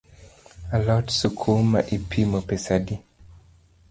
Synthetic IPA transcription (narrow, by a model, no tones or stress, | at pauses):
alɔtsukʰuma̰ʔipʰimopɛsadi